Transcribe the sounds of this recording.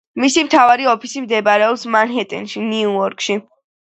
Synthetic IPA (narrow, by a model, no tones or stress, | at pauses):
misimt̪ʰavaɾiɔpʰisimd̪ɛbaɾɛɔpsmanɦɛt̪ʼɛ̰nʃiniuɔɾkʼʃi